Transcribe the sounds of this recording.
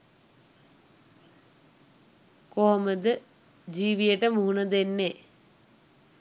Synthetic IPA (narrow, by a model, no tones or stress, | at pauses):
koɦoməd̪ə | d͡ʑiːʋijəʈəmuɦunəd̪enːe